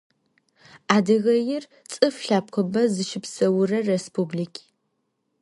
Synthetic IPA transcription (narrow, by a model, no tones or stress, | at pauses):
aːdɨɣɐjɪr | t͡sʼɨfɬaːp̚qʷʰɔbɐzɨʃɪpsɐwʊrɐrespʰublikʲʰ